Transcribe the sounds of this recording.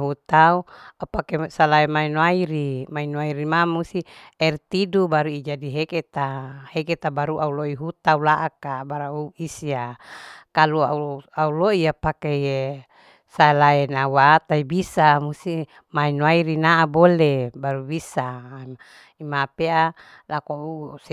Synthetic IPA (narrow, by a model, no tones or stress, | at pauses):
ɦut̪auapakesalaɛmainoaiɾimainoaiɾimamust̪iɛrt̪idubaɾuid͡ʒadiɦeket̪aheket̪abaɾuʔauloiɦut̪aulaʔakabaɾauisiakalua̰uauloiapakee | saelaɛnauwat̪aibisamusi | mainoaiɾinaʔabolebaɾubisa | imapea | lakous